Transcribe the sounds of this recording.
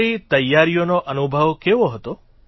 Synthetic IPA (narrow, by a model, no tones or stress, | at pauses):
it̪əjːaɾijonoʔənubʱəʋkeʋoɦət̪o